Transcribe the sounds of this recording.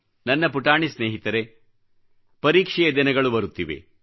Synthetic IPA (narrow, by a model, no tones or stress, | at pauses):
nɐnːɐpuʈaːɳisneːɦit̪ɐɾe̞ | pɐɾiːkʂɛjɐd̪inɐɡɐɭubɐɾut̪ːiʋḛ